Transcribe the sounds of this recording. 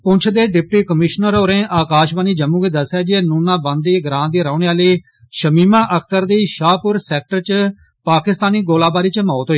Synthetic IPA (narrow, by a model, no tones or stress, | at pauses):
pʊ̃ɲt͡ʃʰd̪eːɖɪp̚ʈiːkəmɪʃnəɾoːɾẽːʔaːkaːʃbaːniːd͡ʒəmũːkiːd̪əsaːd͡ʒieːnuːnãːbə̃nd̪iːɡɾãːnd̪iːɾaːneːaːliː | ʃəmiːmãːʔəkʰt̪əɾd̪iːʃaːpʊɾsɛːk̚ʈəɾt͡ʃə | paːkɪst̪aːniːɡoːlaːbaːɾiːt͡ʃəmɔːt̪ɦoːiː